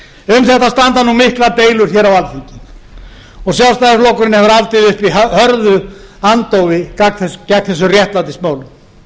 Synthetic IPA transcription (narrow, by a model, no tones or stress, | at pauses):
ʏmθɛht̪ːast̪ant̪anumɪhklat̪eːjlʏɾ̥çɛːɾawalθiɲcɪ | ɔɣsjawlst̪ajðɪflɔkʏɾɪnːɪhɛvʏɾalt̪ɪðʏhpihœɾðʏant̪owvɪcak̪θɛscɛknθɛs̬ʏrjɛht̪lant̪ɪsmaːwlʏ